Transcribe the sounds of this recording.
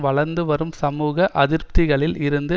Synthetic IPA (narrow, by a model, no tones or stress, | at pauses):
ʋɐɭɐɾnd̪ɯʋɐɾɯmsɐmuːɣɐʔɐðɪɾpt̪ɪɣɐɭɪlɪɾɯnd̪ɯ